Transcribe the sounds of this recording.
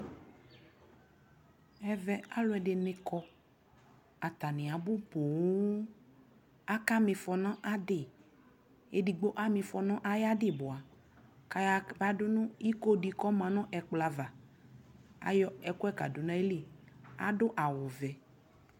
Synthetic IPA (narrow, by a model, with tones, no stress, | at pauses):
ɛ˨vɛ˦a˦lʊ˦ɛ˨ɖɪ˨nɪ̃˦kɔ˦ | a˨t̪a˨nɪ̃˨a˨bʊ˦po˨w | a˦ka˦mɪ̃˨fɔ˨nã˦ʔa˦ɖɪ˨ | e˦di˨ɡ͡bo˦ʔa˦mẽ˨fɔ˨nã˦ʔa˦ja˦dɪ˦˨bo˨a˨ | ka˨ja˦ba˦dʊ˦nũ˦i˦ko˦di˨kɔ˦mã˨nɔ̃˦ʔɛ˨k͡pla˨va˨ | a̰˦jɔ˦ɛ˨kʊ˦ɛ˦ka̰˨do˨nã˦e˦li˦ | a̰˦ɖʊ˦ʔa˨wo˨vɛ˨